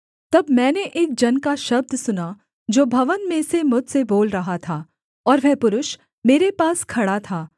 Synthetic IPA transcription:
t̪ɐbmɛ̃ːneʔeːk̚d͡ʒɐnkaʃɐb̚d̪ʱsʊna | d͡ʒoːbʱɐʋənmẽsemʊd͡ʒseboːlɾɐɦat̪ʰaː | ɔːɾʋɛɦpʊɾʊʃ | meːɾepaːskʰɐɽat̪ʰaː

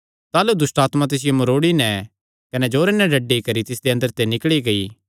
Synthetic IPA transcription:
t̪aːlud̪ʊsʈaːt̪mãt̪̬ɪs̬ɪjomɐɾoːɽinɛ | kɐnɛd͡ʒoːɾenɛɖɐɖːikɐɾit̪ɪsd̪eɐ̃nd̪əɾt̪enɪkɽiɡɐiː

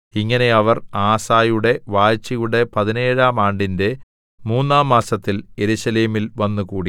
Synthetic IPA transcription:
iŋːɐne̞ɐʋɐraːsaːjuɽe̞ʋaːjt͡ɕːijuɽe̞pɐðine̞ːɻaːmaːɳɖinde̞ | muːnːaːmːaːsɐt̪ːilje̞ɾuɕɐleːmilʋɐnːukuːɽi

